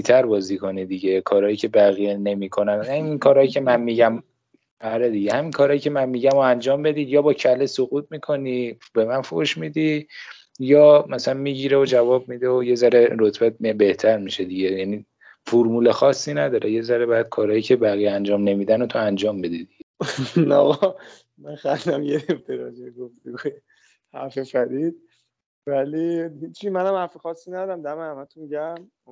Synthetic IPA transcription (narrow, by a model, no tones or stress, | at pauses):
it̪ʰæɾbɒːziːkʰo̞nid̪iɟe̞kʰɒːɾɒːjiːcʰe̞bæɣijene̞miːkʰo̞nænhæminkʰɒːɾɒːjicʰe̞mænmiɟæm | æɾed̪iɟehæminkʰɒːɾɒːjicʲʰe̞mænmiːɟæmoænd͡ʒɒːmbe̞d̪iːd̪jɒːbɒːcʰælesoɣuːt̪̚ʰmiːkʰo̞ni | be̞mænfo̰ʃmiːd̪i | jɒːmæsælænmiːɟiɾeod͡ʒævɒːb̚mid̪eoje̞zæɾeɾot̪ʰb̥æt̪̚mbe̞ht̪ʰæɾmiʃe̞d̪iɟejæni | foɾmuːlexɒːsːinæd̪ɒːɾeje̞zæɾebæd̪̥̚kʰɒːɾɒːjiːcʰe̞bæɣijænd͡ʒɒːmne̞miːd̪ænot̪ʰoænd͡ʒɒːmbe̞d̪id̪iɟenæ̰ɒ | mænxænd̪æmjeːft̪ʰeɾɒːzejɡoft̪eɡoje | hæɾfefæɾid̪̥̚ | vælihit͡ʃːimænhæmhæɾfexɒːsːinæd̪ɒːɾæmd̪æmehæmæt̪ʰomiɟæm